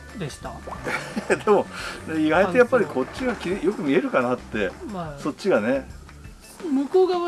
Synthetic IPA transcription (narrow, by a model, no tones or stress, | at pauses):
d̪eɕi̥t̪a | d̪e̞mo̞neiɡait̪o̞japːaɾʲikʰo̞t͡ɕɕiɡakʲiɾʲijo̞kɯ̟mʲie̞ɾɯ̟kanat̪ːe̞so̞t͡ɕːiɡane̞ | mɯ̟koːɡa